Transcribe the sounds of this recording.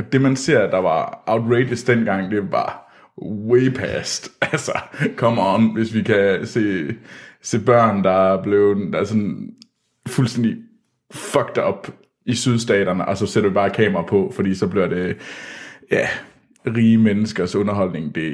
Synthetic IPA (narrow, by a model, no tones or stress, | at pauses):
ɒd̥e̝mænse̝ɐ̰d̥ɑ̈ʋɑ̈ʔɑ̈ʊdʁeɪdəsd̥enɡ̥ɑ̈ŋ̰d̥e̝ʋɑ̈ | weɪpʰæsd̥ʔælsɐkʰɒ̽mɒnʋe̝sʋikʰæse̝̰ː | se̝̰ːb̥ɶɐ̰nd̥ɑ̈b̥le̝ʊd̥ɑsɒ̽n | fulsd̥en̰d̥i | fɒɡ̥̚d̥ɒ̽b̥ | isyð̞ˠsd̥ɛ̰ːɾ̥ɐnəʔɒ̽sɒ̽sed̥ɐʋib̥ɑ̈ːkʰɛ̰ːmɐʁɑ̈pʰɒ̽fɒd̥ḭːsɒ̽b̥liɐd̥e̝ | jæ | ʁiːəmenəsɡ̥ɐsɔ̽nɐɦɒ̽l̰ne̝ŋd̥e̝